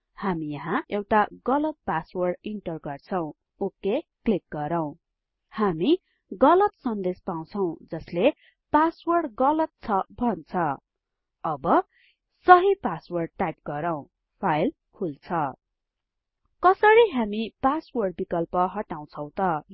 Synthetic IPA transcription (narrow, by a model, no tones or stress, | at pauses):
hamijʌɦãʔewʈaɡʌlʌt̪̚paswʌrɖiɳʈʌrɡʌrt͡sʰʌw̃ | okeklik̚ɡʌɾʌw̃ | hami | ɡʌlʌt̪sʌnd̪espaw̃t͡sʰʌw̃d͡zʌsle | paswʌrɖɡʌlʌt̪̚t͡sʰʌbʱʌnt͡sʰʌ | ʌbʌ | sʌɦipaswʌrɖ̚ʈap̚ɡ̥ʌɾʌw̃ | pʰajl | kʰult͡sʰʌ | kʌsʌɾiɦamipaswʌrɖ̚bikʌlpʌɦʌʈaw̃t͡sʰʌ̃w̃t̪ʌ